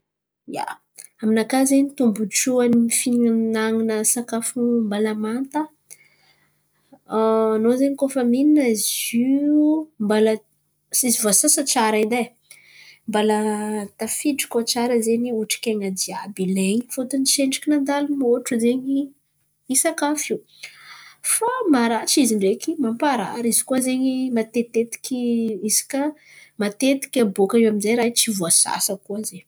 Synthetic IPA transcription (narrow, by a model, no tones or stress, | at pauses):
ja̰ | aminakazenit̪umbuʈ͡ʂuaniifinnaŋinəsakafumbalamant̪ə | nozeɲikofəmininəzu | mbalə | sizivasasat͡ʃaɾaid̪aj | mbalət̪afiɖ͡ʐi̥kot͡saɾəzeniuʈ͡ʂi̥kʲeŋad̪iabileɲifot̪uniʃeɳɖ͡ʐikʲinand̪alumoʈ͡ʂuzeɲi | isakafiu | famaɾat͡ʃiziɳɖ͡ʐekimampaɾa̰ɾizikuazeɲimat̪et̪et̪i̥kʲiizi̥ka | mat̪et̪i̥kʲabokaewaminzajɾajt͡sivuasa̰səkuaze